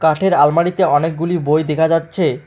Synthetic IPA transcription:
kaʈʰeɾalmaɽit̪eɔnek̚ɡulibojd̪ekʰad͡ʑatːɕʰe

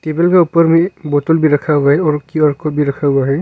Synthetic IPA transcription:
tebelɡaupɔɾmibɔtɔlbiɾakʰaaɔɹkiɔɹkɔbiɾakʰaaɦɛ

